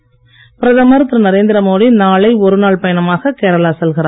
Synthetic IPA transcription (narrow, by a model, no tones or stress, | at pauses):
pɪɾɐðɐmɐɾɯt̪ːɾɐnɐɾeːnd̪ɪɾɐmoːðinaːɭɐɪɔɾɯnaːɭpɐjɐɳɐmaːɣɐkeːɾɐlaːsɛlɣɪɾaː